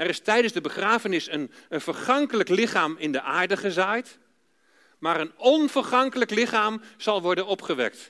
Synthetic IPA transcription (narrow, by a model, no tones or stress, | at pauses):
ɛrɪstɛjdənzdəbəχraːfənɪsənənv̥ərχɑŋkələklɪχaːmɪndəʔaːɹdəχəzaːjt | maːɾənɔnv̥ərχɑŋkələklɪχaːmz̥ɑlˠʋɔɹdənɔpχəʋɛ̰k̚t